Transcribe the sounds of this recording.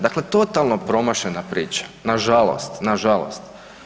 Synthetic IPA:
d̪akle̞t̪o̞t̪alˠnopɾo̞maʃenapɾiːt͡ɕḁnaʒalˠo̞̰st̪naʒalˠo̰st̪

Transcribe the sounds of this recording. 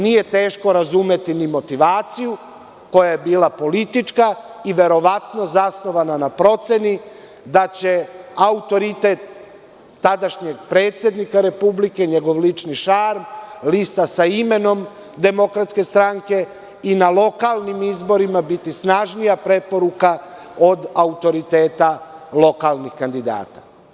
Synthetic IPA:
nije̞t̪e̞ːʃko̞ɾazume̞t̪inimo̞t̪iʋaːt̪siju | ko̞jajebiːlˠapo̞lit̪it͡ʃkaiʋe̞ɾo̞ʋat̪no̞zasno̞ʋananapɾo̞t̪se̞ni | d̪at͡ɕe̞aut̪o̞ɾit̪e̞t̪ː | ad̪aʃɲe̞ɡpɾeːt̪sʲje̞d̪nikaɾe̞publike̞ɲe̞ɡo̞ʋlit͡ʃniʃaɾmlist̪asaime̞no̞m | d̪e̞mo̞kɾat̪ske̞st̪ɾaŋke̞ | inalˠo̞kalˠnimizbo̞ɾimabit̪isnaʒnijapɾe̞po̞ɾuka | o̞d̪aut̪o̞ɾit̪e̞ːt̪alˠo̞kalˠnixkand̪id̪a̰ːt̪ḁ̰

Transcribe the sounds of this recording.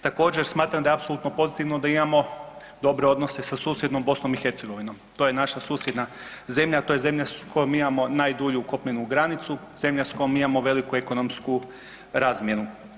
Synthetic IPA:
t̪ako̞ːd͡ʑe̞ɾsmaːt̪ɾamd̪aeapsoluːt̪nopo̞zit̪iʋno̞d̪aimamo̞ | d̪o̞bɾeo̞d̪no̞se̞sasuːsjed̪no̞mbo̞snomixe̞ɾt̪se̞ɡo̞ʋino̞mt̪o̞ːjenaʃasuːsje̞d̪naze̞mʎat̪o̞je̞ze̞mʎasko̞jomimamo̞najd̪uʎuko̞pɲenuɡɾanit̪su | ze̞mʎasko̞jomimamo̞ʋe̞likue̞ko̞no̞msku | ɾaːzmje̞nu

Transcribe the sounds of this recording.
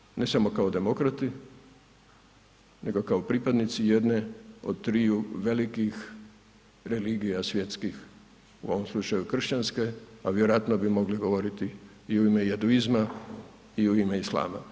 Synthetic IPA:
ne̞samo̞kaod̪e̞mo̞kɾat̪i | ne̞ɡokaopɾipad̪nit̪sijed̪ne̞od̪̚t̪ɾiːuʋe̞likix | ɾe̞liɡijasʋje̞t̪skix | uo̞ʋo̞mslˠut͡ʃajukr̩ʃt͡ɕanskeaʋjeɾojat̪nobimo̞ɡliɡo̞ʋo̞ɾit̪iː | uimejed̪uizma | iuimeislˠa̰ːma̰

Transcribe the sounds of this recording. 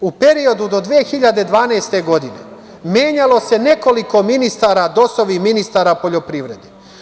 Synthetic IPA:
upe̞ɾio̞d̪ud̪o̞d̪ʋiexiʎad̪ed̪ʋaːneːst̪e̞ɡo̞d̪inḛ | mjeːɲalo̞se̞ne̞ko̞liko̞minist̪aɾad̪o̞soʋiminist̪aːɾapo̞ʎo̞pɾiːʋɾe̞d̪e

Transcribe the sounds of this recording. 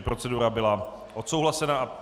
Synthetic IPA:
pɾo̞t͡sɛduɾabɪla | ʔo̞t̪so̞wɦlasɛnaʔa

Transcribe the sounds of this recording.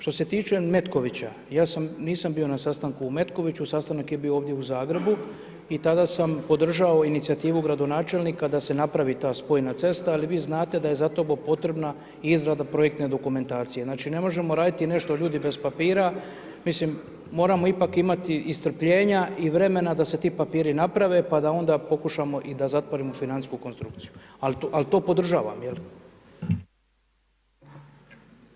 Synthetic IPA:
ʃt̪o̞se̞t̪iːt͡ʃe̞me̞t̪ko̞ʋit͡ɕa | jaːsamniːsambiːo̞nasast̪aŋkuːme̞t̪ko̞ʋit͡ɕusast̪anakje̞biooːʋd̪je̞uzaːɡɾe̞bu | it̪ad̪asampo̞d̪r̩ʒao̞init̪siat̪iːʋuɡɾad̪o̞naːt͡ʃe̞lnikad̪ase̞napɾaʋit̪aːspo̞jnat̪se̞st̪aːliʋiːznaːt̪e̞d̪aje̞zat̪o̞bopo̞t̪ɾe̞bna | izɾad̪apɾo̞je̞k̚t̪ne̞d̪o̞kume̞nt̪aːt̪sije̞znaːt͡ʃine̞mo̞ʒe̞mo̞ɾaːd̪it̪ine̞ʃt̪oʎuːd̪ibe̞zpapiːɾa | mislimː | o̞ːɾamo̞ipakimat̪iːst̪r̩pʎe̞ːɲaiʋɾe̞me̞nad̪ase̞t̪iːpapiːɾinapɾaʋe̞pad̪ao̞nd̪aːpo̞kuʃamo̞ʔid̪azat̪ʋoɾimofinant̪skuko̞nst̪ɾukt̪sijualalt̪o̞ːpo̞d̪r̩ʒaːʋa̰mjel

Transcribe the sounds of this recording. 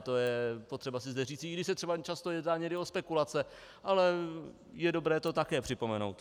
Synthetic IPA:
t̪o̞jɛpot̪r̥ɛbasɪzdɛriːt͡sɪːɡdɪʃsɛt̪r̥ɛbat͡ʃast̪ojɛdnaːɲɛɡdɪospɛkulat͡sɛ | ʔalɛ | jɛdo̞bɾɛːt̪o̞t̪akɛːpr̝̥ɪpo̞mɛno̞̰wt̪

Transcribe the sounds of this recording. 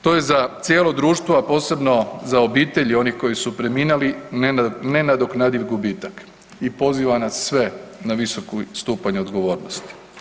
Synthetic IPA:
t̪o̞je̞zat̪sjelo̞d̪ɾuːʃt̪ʋoapo̞ːse̞bno̞zaobiːt̪e̞ʎio̞niko̞jisupɾe̞miːnalinnenad̪oknad̪iʋɡubiːt̪ak | ipo̞ziʋanasːʋe̞naʋisokust̪uːpaɲeod̪ɡo̞ʋo̞ːɾnost̪i̥

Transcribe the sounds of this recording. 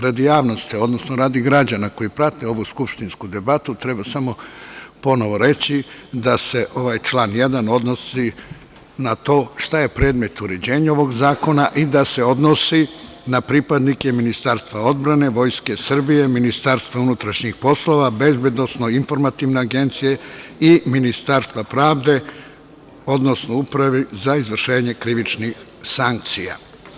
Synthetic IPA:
ɾad̪jaːʋno̞st̪io̞d̪nosnoɾaːd̪iɡɾad͡ʑanako̞jipɾat̪eo̞ʋuskupʃt̪inskud̪e̞bat̪ut̪ɾe̞basamo̞po̞no̞ʋo̞ɾe̞t͡ɕid̪ase̞ʔo̞ʋaːjt͡ʃlaːnje̞d̪ano̞d̪no̞si | nat̪o̞ːʃt̪aje̞pɾeːd̪me̞t̪uɾe̞d͡ʑe̞ːɲao̞ʋo̞ɡzaːko̞naʔid̪ase̞o̞d̪nosi | napɾipad̪nike̞minist̪aːɾst̪ʋao̞d̪bɾane̞ʋo̞jske̞sr̩bije̞minist̪aɾst̪ʋaunut̪ɾaʃɲixpo̞slo̞ʋabe̞zbje̞d̪no̞sno̞info̞ɾmat̪iʋne̞aɡe̞nt̪sije̞iminist̪aːɾst̪vapɾaːʋd̪e̞ | o̞d̪no̞snoupɾaʋizaizʋr̩ʃe̞ːɲe̞kɾiʋit͡ʃnix | saŋk̚t̪sija̰

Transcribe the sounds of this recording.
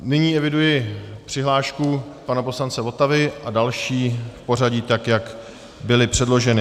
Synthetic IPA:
nɪɲiːɛvɪdujɪpr̥ɪɦlaːʃkupanapo̞slant͡sɛvo̞t̪avɪʔadalʃiːfpo̞r̝aɟiːt̪akjak | bɪlɪpr̥ɛdlo̞ʒɛnɪ

